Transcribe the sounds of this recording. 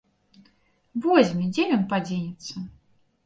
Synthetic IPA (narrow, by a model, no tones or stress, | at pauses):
vɔzʲmʲid͡zʲɛjɔnpad͡zʲenʲɛt̪sːɐ